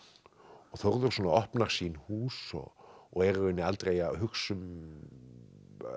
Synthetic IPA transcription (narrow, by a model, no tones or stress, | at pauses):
ɔɣθɔwɾðʏɾ̥sɔːnaɔhpnaɾ̥siːnhuːsɔ̰ɔɣɛɾʏnːɪalt̪ɾejaɦʏksʏm